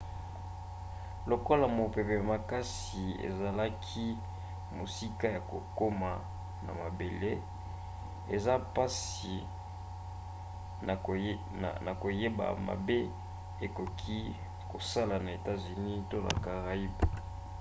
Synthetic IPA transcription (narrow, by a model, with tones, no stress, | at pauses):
lo˨ko˦la˨mo˨pe˨pe˨ja˨ma˨ka˦s | i˨ḛ˨za˨la˦kʰi˦ | mo˨si˦ka˦ja˨ko˨ko˦ma˨ | na̰˨ma˨be˨le˦ | e˨za˦pa˦si˨ | na˨ko˨je˦ba̰˨ma̰˨be˦ | e˨ko˨kʰi˦ | ko˨sa˦la˨na˨e˨ta˦zy˨ni˦to˦na̰˨ka˨ʁa˨i˦b